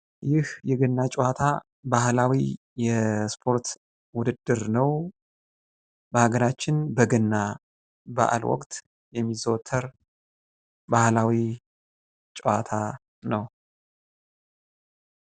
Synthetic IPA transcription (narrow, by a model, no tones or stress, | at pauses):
jɪhjɛɡɨnːat͡ʃʼɛwat̪ʰa | bahlawi | jɛspʰo̞ɾt̪ | wʊd̪ɨd̪ːɨɾnəw | bəhaɡəɾat͡ʃːɪnbəɡɨnːa | ba̰ʔa̰lwɔ̰kʼt̪ | jɛmːizot̪ʰːəɾ | bahlawi | t͡ʃʼɛwat̪ʰa | nəw